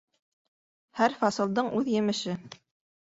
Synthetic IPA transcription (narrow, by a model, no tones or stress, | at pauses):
hæɾfɑsɤ̆lˠd̪ɤɴʔʉðjɘ̆mɘ̆ʃɘ